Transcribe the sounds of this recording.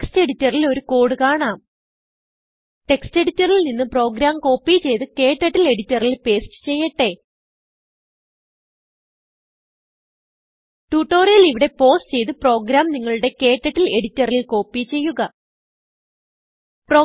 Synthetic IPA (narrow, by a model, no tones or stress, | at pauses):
kste̞ɽitːɐrilo̞ɾuko̞ːɽɨkaːɳaːm | ʈe̞kste̞ɽitːɐrilninːɨpro̞ːɡɾaːmko̞ːpːit͡ɕe̞jt̪ɨke̞ːʈːɐʈːile̞ɽitːɐrilpe̞ːstɨ̥t͡ɕe̞jːɐʈːe̞ | ʈuːʈːo̞ːrjɐliʋiɽe̞po̞ːst͡ɕe̞jt̪ɨpro̞ːɡɾaːmniŋːɐɭuɽe̞ke̞ːʈːɐʈːile̞ɽitːɐrilko̞ːpːit͡ɕe̞jːuɣɐ | proː